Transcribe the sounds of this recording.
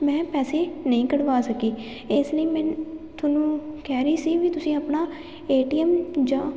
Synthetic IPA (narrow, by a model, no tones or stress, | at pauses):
mɛ̃ːpɛːseːnəĩːkəɽʋaːsəkiː | ɪsləiːmɛ̃ːt̪ʰonũːkɛːɾəiːsiːʋiːt̪ʊsĩːəpnaː | eːʈiːɛmd͡ʒãː